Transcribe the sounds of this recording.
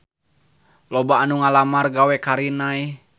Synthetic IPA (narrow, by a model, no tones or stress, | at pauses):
lɔbaːnuŋalamarɡawɛkaɾinaj